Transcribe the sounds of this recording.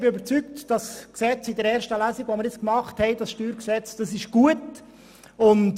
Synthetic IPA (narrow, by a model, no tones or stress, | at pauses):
b̥ɪøbəɾt͡syktd̥ɑsksɛt͡sɪdəɾɛːɾʃtəlæːziɡʋomɪɾɪt͡skmɑχthɛɪd̥ɑsʃtyːɾksɛt͡sd̥ɑsɪʃɡ̥uət | ʊnt